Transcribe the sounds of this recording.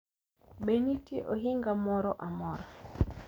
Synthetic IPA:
ɓenitiʔoɦiŋɡamɔɾɔʔamɔɾɔ

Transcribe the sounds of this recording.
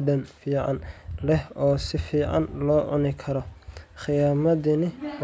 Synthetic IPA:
dɐnfiːʕɑ̰nlɛhɔːsɪfiːʕɑ̰nlɔːʔʊ̰nɪkʰɐɾɔχɪjaːmɐðɪnɪ

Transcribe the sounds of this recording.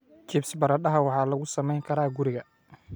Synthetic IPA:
t͡ʃʰiːpsbɐɾɐɗɐɦɐwɑħɑːlɐɣʊsɐmɛjŋkʰɐɾaːɡʊɾɪɣɐ

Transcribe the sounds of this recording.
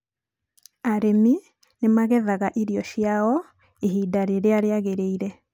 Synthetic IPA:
aɾemi | nemaɣɛðaɣaʔiɾiɔɕjaɔ | iɦidaɾeɾeaɾeaɣeɾeiɾɛ

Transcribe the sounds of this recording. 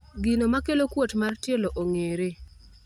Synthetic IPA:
ɡinomakelokwotmartjeloʔoŋeɾe

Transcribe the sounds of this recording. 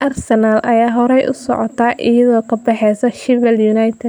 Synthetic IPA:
ʔɐrsɛnalʔɐjaːɦɔɾɛjʔʊ̰sɔ̰ʕɔt̪ʰaːʔɪjɐðɔːkʰɐbɑħɛsɐʃɪvɛljunajt̪ʰɛd̪

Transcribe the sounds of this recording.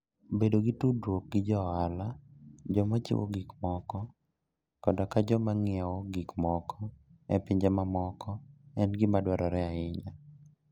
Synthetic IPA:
bedoɡitudwok̚ɡɪd͡ʒɔalad͡ʒɔmat͡ʃɪ̰wo̰ɡikmɔkɔ | kɔdɔkad͡ʒɔmaŋɪawɔɡikmɔkʰɔɛ̰pɪɲd͡ʒɛmamɔkɔɛnɡɪmadwaɾɔaɾɛaɪɲa

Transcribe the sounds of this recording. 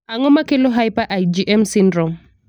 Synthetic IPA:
aŋɔmakelɔɦajpaʔajd͡ʒiʔɛmsindɾɔm

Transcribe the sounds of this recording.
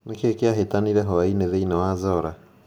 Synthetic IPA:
nekekeaɦetaniɾɛɦɔaineðeinawaːzɔɾa

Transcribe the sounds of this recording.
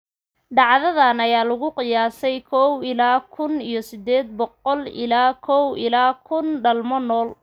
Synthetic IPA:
ɖɑʕðɐðɐnɐjaːlʊɣʊqɪjaːsɛjkʰɔːwɪlaːkʰʊnijɔsɪd̪ɛːd̪̚bɔqɔlɪ̰laːkʰɔwɪlaːkʰʊnɖɐlmɔnɔːl

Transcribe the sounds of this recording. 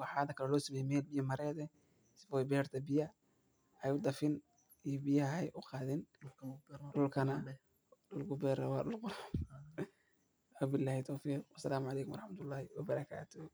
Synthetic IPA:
wɑħɑːd̪ɐkʰɐlɛlɔːsɔmɛjɛmɛːlbɪjɐmɐɾɛːðɛ | sɪfɔjbɛːrt̪ʰɐbɪjɐ | ɛjʊd̪ɐfɪn | ijɔbɪjɐhɐɛjʔʊqɑːðɛn | ɖʊlkʰɐnɐ | ɗʊlɡʊbɛːɾɐwɑːɗʊlqʊlam | wabɪlːaːhɪt̪ʰɔːfiːqwɐsɐlaːmʊʕɑlɛːkʊmwɑɾˤɑħmɐt̪ʰʊlːɑːhɪwɐbɐɾɐkʰa̰ːt̪ʰɔ

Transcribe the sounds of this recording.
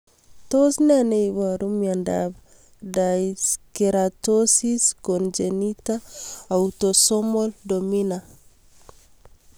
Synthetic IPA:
tosnɛnejβaɾumjanda̰ba | daskɛɾatosiskɔnd͡ʒenitaːwtɔsɔmɔldomina

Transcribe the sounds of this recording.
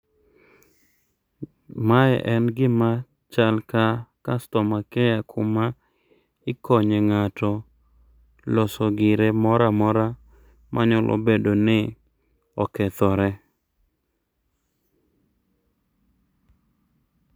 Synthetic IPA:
majɛ̰ʔɛnɡɪma | t͡ʃalkakastɔmakɛjakʰʊma | ɪkɔɲɛŋatɔ | lɔsɔɡɪɾemɔɾamɔɾa | mʔaɲɔlʔo̰bedonɪ | ɔkɛt̪ɔɾɛ

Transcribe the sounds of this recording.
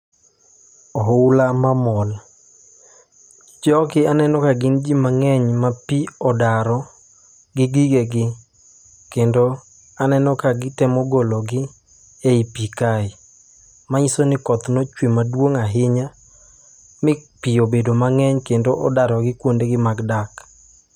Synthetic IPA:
ɔɦʊlamamɔl | t͡ʃɔkɪanɛnɔkaɡɪnd͡ʒimaŋɛɲmapiɔdaɾɔ | ɡɪɡiɡeɡɪ | kendo | anɛnɔkaɡɪtɛmɔɡolɔɡɪ | eipikaɪ | maɲisonɪkɔt̪nɔt͡ʃwemadwoŋaɦɪɲa | mɪpiobedomaŋɛɲkendoʔɔdaɾɔɡɪkwondeɡɪmaɡdak

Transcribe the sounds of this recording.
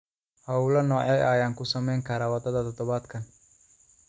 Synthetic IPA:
hɐulɐnɔːʕɛjʔaːjaːŋkʰʊsɐmɛjŋkʰɐɾaːwɐd̪ɐðɐt̪ʰɔd̪ɔβaːd̪kʰɐn

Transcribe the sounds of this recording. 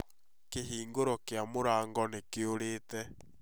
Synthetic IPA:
keɦiːŋɡoɾɔkeamoɾaːŋɡɔnekeoɾeːtɛ

